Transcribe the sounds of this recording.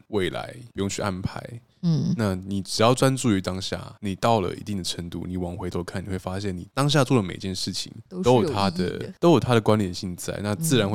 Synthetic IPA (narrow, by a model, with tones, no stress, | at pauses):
we˥˩ɪla̰˧˦ɪpu˧˥jʊ˥˧ŋt͡ɕʰy˥˩ʔa˥˩npʰa˧˦ɪ˥˩ | na˥˩ni˨˩ʈ͡ʂɻ̩˨˩jɑ˥˩ʊt͡swa˦˥nt͡su˥˩y˧˥t̪ɑ˥ŋɕja̰˥˩ni˨˩t̪ɑ˥˩ʊlə̰˩ḭ˧˥t̪i˥˩ŋd̪ə˩ʈ͡ʂʰə˧˥ŋt̪ṵ˥˩ni˨˩wɑ˨˩ŋxwe˧ɪt̪ʰwɔ˥˧˩kʰa˥˩ni˨xwe˥˩ɪfa˥ɕjɛ˥˩ni˨˩t̪ɑ˥ŋɕ̬ja˥˧t͡swɔ˥˩lə˩me˨˩ɪt͡ɕjɛ˥˧nʂɻ̩˥˩t͡ɕʰḭ˨˩ŋto˥ʊjt̪ʰa˥d̪ə̰˨t̪o˥ʊjo˨˩t̪ʰa˥ɾə˨kwa˥nt̪jɛ˨˩nɕi˥˧ŋt͡sa̰˥˧ɪna˥˧t͡sɹ̩˥˩ɻa˧nxwe˥